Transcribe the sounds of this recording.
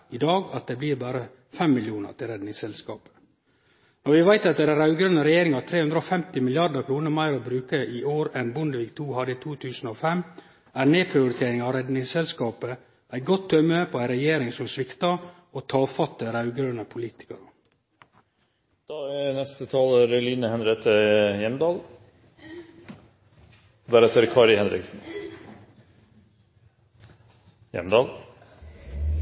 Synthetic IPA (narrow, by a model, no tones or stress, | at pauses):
ɪd̪ɑːɡɑt̪̚d̪ɛbliːɾbæːɾə | fɛmːɪljuːnə̰ʈɪlɾɛd̪nɪŋsɛlskɑ̰ːpə̥ | nɔɾʋɪʋæɪt̪ɑt̪̚d̪ɛɾæɾɑʉɡɾœnəɾɛjeːɾɪŋɑt̪ʰɾeːhʉnd̪ɾəɔfɛmt̪ɪmɪlɪjɑɾd̪əkʰɾuːnəɾmæɪɾɔbɾʉːkəʔɪʔoːɾɛnbʊnd̪əʋiːk̚t̪ʰuːhɑd̪əɪt̪ʰuːt̪ʰʉːsn̩ɔfɛm | æɾneːpʰɾɪʊɾɪt̪ʰeːɾɪŋɑʋɾɛd̪nɪŋsɛlskɑːpə | ʔæɪɡɔt̪ʰːœmːəpʰɔæɪɾɛjeːɾɪŋsɔmsʋɪkt̪ɑ | oːt̪ʰɑːfɑt̪ːəɾɑʉɡəɾənəpʰʊliːt̪ɪ̥kɑɾə | d̪̥ɑːænɛst̪ət̪ʰɑːləɾɛliːnəhɛnɾet̪ʰəjɛmd̪ɑːl | d̪æɾɛt̪əɾkʰɑːɾɪhɛnɾɪ̰ksn̩ | jɛ̰md̪ɑːl